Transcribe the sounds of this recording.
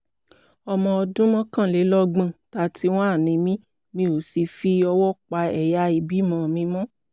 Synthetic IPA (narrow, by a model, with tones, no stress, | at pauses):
ɔ˧mɔ̃˧ɔ˧dũ˦mɔ̃˦kã˦˨le˨˦lɔ˦ɡ͡bã˨ta˨˦tʰi˦w̃ɔ̃˦a˦˨nĩ˧mĩ˦ | mĩ˧˦o˨si˧fi˧ɔ˧wɔ˦k͡pa˧ɛ˨ja˧i˧˨bi˨˦mɔ̃˧˨mĩ˧mɔ̃˦